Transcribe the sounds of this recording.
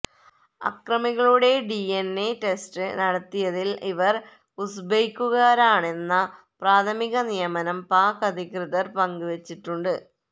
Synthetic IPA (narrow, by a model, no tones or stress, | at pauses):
ɐ̰krɐmiɣɐɭuɽe̞ɖienːeʈe̞stɨnɐɽɐt̪ːijɐðiliʋɐr | usbejkːuɣaːɾaːɳe̞nːɐ | praːt̪ʰɐmiɣɐnijɐmɐnɐmpaːkɐd̪ʱikrɨðɐrpɐŋɡuʋet͡ɕːiʈːuɳɖɨ